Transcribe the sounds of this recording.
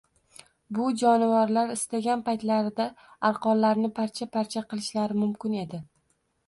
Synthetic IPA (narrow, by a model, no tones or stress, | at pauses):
bʊd͡ʒɒnɪvaɾlaɾɪst̪aɡʲanpajt̪laɾɪd̪a | aɾqɒllaɾnɪpʰaɾt͡ʃʰapaɾt͡ʃʰaqɨlˠɪʃlaɾɪmʊmkʲɪne̞d̪ɪ